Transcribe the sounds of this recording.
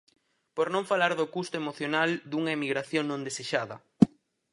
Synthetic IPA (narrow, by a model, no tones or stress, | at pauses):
poɾnõŋfalaɾðʊkust̪ʊemoθjonald̪uŋɐemiɣɾaθjõŋnõnd̪eseʃaðɐ